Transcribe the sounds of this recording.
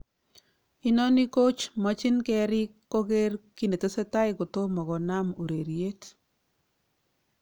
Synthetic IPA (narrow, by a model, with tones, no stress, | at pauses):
i˦nɔ˦ni˦ko˦t͡ʃmɔ˦t͡ʃɪ˦nkɛ˦ɾɪ˦kːo˦ke˦rki˦ne˨te˦se˦ta˦ɪko˨to˦mɔ˨kɔ˨na˦mo˨ɾe˨ɾje˦t